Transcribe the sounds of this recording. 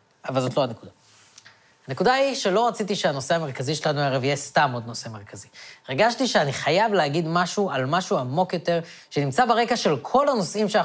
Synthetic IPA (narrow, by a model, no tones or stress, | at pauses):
avalzo̞t̪loanekuda | hane̞kudaiʃe̞lo̞ʁat͡sitiʃeano̞se̞ame̞ʁkaziʃelanuaʁevijestamo̞d̪no̞se̞me̞ʁkaziʁeɡaʃtiʃeaniχajavlehaɡid̪maʃualmaʃuamo̞kjo̞t̪e̞ʁʃe̞nimt͡sabeʁe̞kaʃe̞lkʰo̞lano̞sʔimʃea